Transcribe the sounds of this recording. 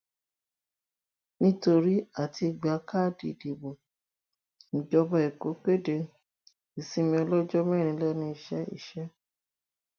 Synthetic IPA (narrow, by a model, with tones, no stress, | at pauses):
nĩ˦to˧ɾi˦a˦˨tʰi˧˨ɡ͡ba˨˦ka˦˨dḭ˧˨di˨bo˨ | ñ̩˨d͡ʒɔ˧ba˧˦i˨ko˨˦k͡pe˦˨de˧ | i˨si˦mĩ˧ɔ˧lɔ˦d͡ʒɔ˦mɛ̃˦˨ɾ̃ĩ˧˦lɛ˦˨nĩ˧˦i˦˨ʃɛ˨˦ḭ˦˨ʃɛ˨˦